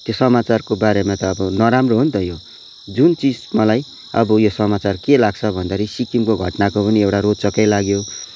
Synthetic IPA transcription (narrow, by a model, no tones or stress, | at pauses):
t̪josʌmat͡sarkobaɾemat̪ʌːbʌnʌɾamroɦunt̪ʌjo | d͡zunt͡sid͡zmʌlaj | ʌ̰bʌjosʌmat͡sarkelaɡ̚t͡sʰʌbʱʌnd̪aɾisikimkoɡʱʌʈnakopʌniewʈaɾod̪t͡sʌkːʌjlaɡjo